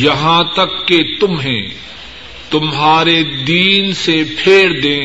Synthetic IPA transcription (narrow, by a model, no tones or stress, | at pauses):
jɐɦãt̪ɐkːet̪ʊmɦɛ̰̃ː | t̪ʊmɦaːɾed̪iːnsepʰeːɾd̪ẽː